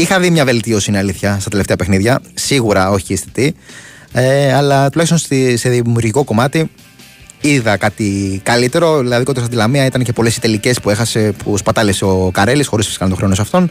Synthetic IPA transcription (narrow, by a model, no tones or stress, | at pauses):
ixɐðimɲɐve̞lt̪io̞sinɐliθçɐstɐt̪eleft̪eɐpexniðʝɐsiɣuɾɐo̞çiiːst̪it̪i | eɐlɐt̪ulɐçst̪o̞nsiseðimjuɾʝiko̞ko̞mɐt̪i | iðɐkɐt̪ikɐlit̪e̞ɾo̞ðilɐðikot̪osɐnd̪ilɐmiɐit̪ɐnce̞po̞le̞sit̪e̞lice̞spue̞xɐsepuspɐt̪ɐleseo̞kɐɾe̞lisxo̞ɾisfskɐnt̪oɾeonosɐft̪o̞n